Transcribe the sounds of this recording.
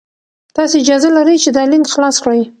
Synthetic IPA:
t̪ɑseɪd͡ʒɑzalaɾəjt͡ʃed̪ɑlinxlɑskɽəj

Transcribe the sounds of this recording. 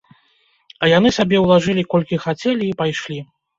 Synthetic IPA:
ɐjanɨsʲabʲɛwlˠaʐɨlʲikɔlʲkʲixat͡sʲɛlʲiːpajʂlʲi

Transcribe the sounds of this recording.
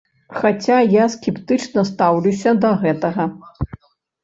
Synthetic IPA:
xat͡sʲajaskʲɛpt̪ɨt͡ʂnɐst̪awlʲusʲɐd̪ɐɣɛt̪ɐɣɐ

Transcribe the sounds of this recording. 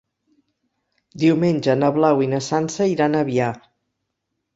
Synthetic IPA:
d̪iwmenʲʒənəβlawinəsansəiɾanəβia

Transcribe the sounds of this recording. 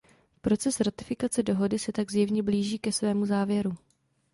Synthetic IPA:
pɾo̞t͡sɛsɾat̪ɪfɪkat͡sɛdo̞ɦo̞dɪsɛt̪aɡzjɛvɲɛbliːʒiːkɛsvɛːmuzaːvjɛɾu

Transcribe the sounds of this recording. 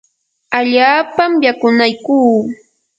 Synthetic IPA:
aʎaːpamjakʊnajkuː

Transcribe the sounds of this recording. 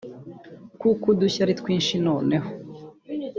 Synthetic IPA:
kukuduçaɾitkwiːnʃino̞ːne̞ho

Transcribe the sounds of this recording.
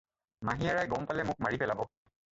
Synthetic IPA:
maɦijaɹajɡɔmpalɛmʊk̚maɹipɛlabɔ

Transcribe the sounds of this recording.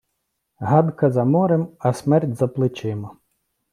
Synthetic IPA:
ɦɑd̪kɐzɐmɔɾemɐsmɛrtʲzɐplˠɪt͡ʃɪmɐ

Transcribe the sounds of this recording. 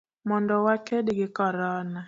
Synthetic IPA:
mɔndɔwakedɡɪkɔɾɔna

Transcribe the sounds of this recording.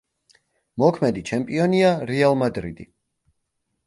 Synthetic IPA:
mɔkʰmɛd̪it͡ʃʰɛmpʼiɔniaɾɛalˠmad̪ɾḭd̪̥ḭ

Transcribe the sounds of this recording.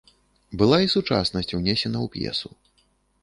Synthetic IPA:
bɨlˠaisut͡ʂa̰snɐsʲt͡sʲwnʲɛsʲɛnɐwpʲjɛ̰su

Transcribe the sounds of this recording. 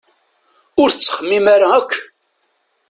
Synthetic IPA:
ʊɾθt͡sːə̥χəmːimaɾaækʷː

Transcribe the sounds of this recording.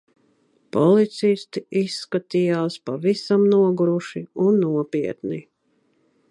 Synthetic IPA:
pɔlit̪sist̪iisːkat̪ijaːspavisamnuɔɡɾuʃiunːuɔpiɛt̪ni

